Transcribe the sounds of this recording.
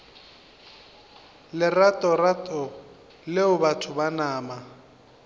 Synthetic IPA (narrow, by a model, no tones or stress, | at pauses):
lɪratʼɔratʼɔ | lɪʊbatʰʊbanaːma